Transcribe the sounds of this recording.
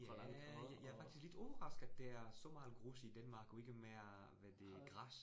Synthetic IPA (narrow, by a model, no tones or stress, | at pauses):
j | jɑ̈ɐfɑ̈ɡ̥̚isɡ̥led̥ɔːbəʁɑ̈sɡ̥æd̥eæɐsɒ̽mɑ̈ːl̩ˠɡ̥ʁusid̥ænmɑ̈ːɡ̥ɒe̝ɡ̥əmeɐ | ʋæd̥e̝ɡ̥ʁɑs